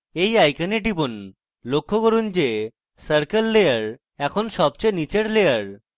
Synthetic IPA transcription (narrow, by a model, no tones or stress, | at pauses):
ejajkaneʈibon | lokʰːokoɾund͡ʑe | səɾkelːejaɾ | ɛkʰonʃɔb̚t͡ɕojnit͡ɕeɾlejaɾ